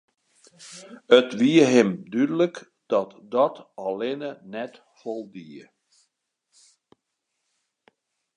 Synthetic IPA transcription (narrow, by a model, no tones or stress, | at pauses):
ətʋiəɦɪmdydələk | d̥ɔtdɔtɑlɪnənɛt | fɔlˠdiə